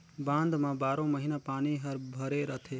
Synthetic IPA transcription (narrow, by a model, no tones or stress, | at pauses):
bãːnd̪mãbaːɾõməɦinapaːniɦəɾbʱəɾeɾət̪ʰe